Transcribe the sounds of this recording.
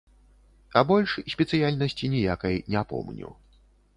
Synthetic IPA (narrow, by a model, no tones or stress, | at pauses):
ɐbɔlʲʂsʲpʲɛt̪sɨjalʲnɐsʲt͡sʲinʲɛjakɐjnʲɛapɔ̰mnʲṵ